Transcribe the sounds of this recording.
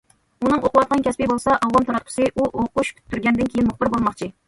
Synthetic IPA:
unɨŋoqʊwɑt̪̚qʰɑnkʲʰɛspibolˠsɑʔɑwwɑnt̪ʰɑɾɑt̪̚qʰʊ̥sɨʔuʔoquʃpʰy̥t̪ʰːyɾɡʲɛnd̪ɪnkʲʰejiɪnmʊχbɨɾbolˠmɑχt͡ʃʰi

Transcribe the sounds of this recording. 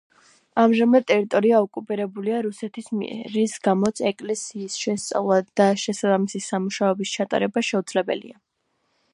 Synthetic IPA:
amʒamad̪̚t̪ʼɛɾit̪ʼɔɾiaɔkʼupʼiɾɛbuliaɾusɛt̪ʰismiɛ̰ɾisɡamɔt̪sʰɛkʼlɛsiːsʃɛst̪sʼa̰vlˠad̪̥aʃɛsabamisisamuʃaɔbist͡ʃʰat̪ʼa̰ɾɛbaʃɛud̪zlɛbɛ̰lḭa

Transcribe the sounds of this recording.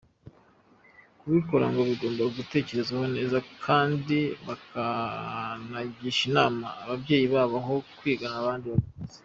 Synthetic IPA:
kuβiko̞ɾa̰ŋɡo̞βiɡo̞ːmbaɡute̞ːce̞ɾe̞zaɦo̞ne̞ːzakʰaːndiβaka | naɟiːʃinaːmaːβabje̞ːjiβaːβaɦo̞kwiːɡanaβaːndiβatuze̥

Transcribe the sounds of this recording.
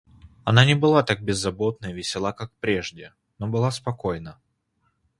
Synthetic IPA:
ɐnanʲɪbɨlˠat̪ak̚bʲɪzːɐbo̞t̪̚nəjvʲɪsʲɪlˠakak̚pɾʲeʐdʲɪ | nobɨlˠaspɐko̞jnə

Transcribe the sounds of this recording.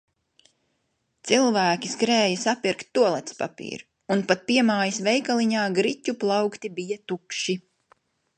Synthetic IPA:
t̪silˠvæːkʲiskɾɛːjɐsapiɾkt̪ːuɔlˠɛt̪spa̰pḭːɾ | unpat̪̚piɛmaːjisvɛjkalˠiɲaːɡɾicuplˠɑwkt̪ibijat̪ukʃi

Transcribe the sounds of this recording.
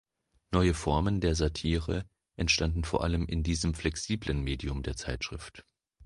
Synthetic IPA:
nɔʏəfɔɐməndeːɐzatʰiːʁ̞ə | ʔɛntʃtandn̩foːɐʔaləmɪ̰ndiːzəmflɛksiːblənmeːdiʊmdeːɐt͡saɪtʃʁ̥ɪft

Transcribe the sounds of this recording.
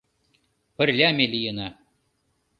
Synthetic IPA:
pɘ̆rʲlʲæmelʲijɤna

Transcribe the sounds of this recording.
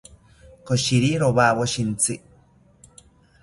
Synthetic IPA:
koʃiɾiɾoβaβoʃint͡sɨ

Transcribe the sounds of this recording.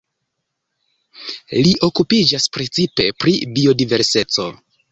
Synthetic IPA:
liʔo̞kupid͡ʒaspɾe̞t͡sipe̞pɾibio̞dive̞ɾse̞t͡so̞̰

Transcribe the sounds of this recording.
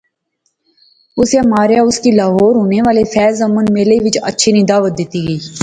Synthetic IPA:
ʊsjaːmaːɾjaːʊskiːlaːɦoːɾɦoːneːʋaːlefɛːzəmənmeːleʋɪt͡ʃə̰tːʃʰeːnĩːd̪aːʋət̪̚d̪ɪt̪iːɡəiː

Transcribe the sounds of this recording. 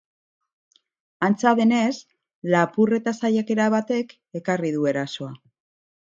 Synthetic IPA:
ant͡saðe̞ne̞s | lapure̞t̪asajake̞ɾaβat̪e̞k | e̞kariðue̞ɾaso̞a

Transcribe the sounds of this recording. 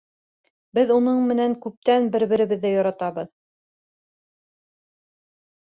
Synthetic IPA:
bɘðunɤɴmɘ̆næŋkʉp̚t̪ænbɘ̆ɾβɘ̆ɾɘ̆βɘ̆ðːæjoɾɑt̪ɑβɤð

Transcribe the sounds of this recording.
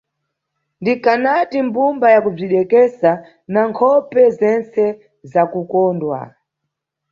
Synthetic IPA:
ndikanatimbumbajakub͡ʐiɗɛkɛsa | naŋkʰɔpɛzɛnt͡sɛ | zakukɔːndwa̰

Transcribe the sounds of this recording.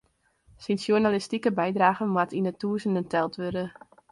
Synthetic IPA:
sinsjunalɪstikəbɛjdraːɣənmwatʰinətʰuːzəndəntɛlˠtʋødə

